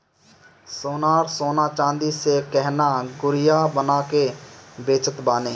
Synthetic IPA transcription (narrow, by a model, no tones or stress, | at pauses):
soːnaːɾsoːnat͡ʃãːnd̪isekɛɦnaɡʊɾɪjabənakebeːt͡ʃət̪baːnẽː